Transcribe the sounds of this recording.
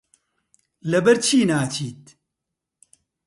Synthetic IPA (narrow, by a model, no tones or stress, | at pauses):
lɐbɐɾt͡ʃʰiːnaːt͡ʃʰiːt̪̚